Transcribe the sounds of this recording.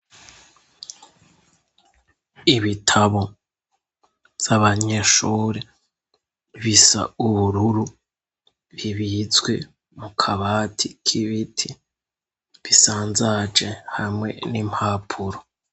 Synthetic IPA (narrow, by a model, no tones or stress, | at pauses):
iβitʰaβo̞ | z̥aβaɲe̞ʃuːɾe | βisa̰uβuɾuɾu | βiβit͡sɡwe̞̰ | mukʰaβaːtʰikʰiβitʰi | βisaːnzad͡ʒehamŋe̞̰nim̥haːpʰuɾo